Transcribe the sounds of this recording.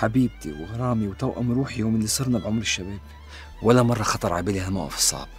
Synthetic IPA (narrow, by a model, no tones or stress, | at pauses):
ħabiːb̚t̪ḭwɣɑɾˤɑːmiwt̪awʔa̰mɾuːħijoːmlːisˤɑɾˤnabʕʊmɾɪʃːabeːb | wʔalːamɑrˤːɑxɑt̪ˤɑɾˤʕabiːlihalmawʔɑ̰fsˤɑ̰ːb̚